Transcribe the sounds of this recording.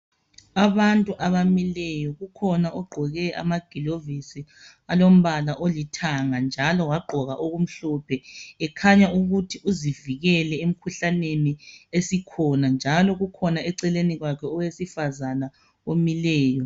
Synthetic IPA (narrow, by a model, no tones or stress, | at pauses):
aβantʼuʔaβamilɛjɔɣukʰɔnaʔɔɡ͡ǃʱɔɣɛa̰maɡ̥ʱilovisi | alom̩βalaʔolitʰaŋand͡ʒʱalɔwaɡ͡ǃʱɔɣaʔoɣum̩ɬɔpʰɛɛkʰaɲauɣutʰiʔuziviɣɛlɛem̩kʰuɬaneniesikʰɔnand͡ʒʱalɔɣukʰɔnaɛǀɛleniɣwakʰɛɔwesifazana | omilɛːjɔ